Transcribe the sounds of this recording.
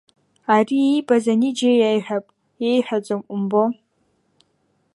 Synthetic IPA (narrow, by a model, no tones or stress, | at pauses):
ariejbazanid͡ʒejajħᶣapʼ | jejħʷᶣad͡ʒʷʼomʔʷʊmbo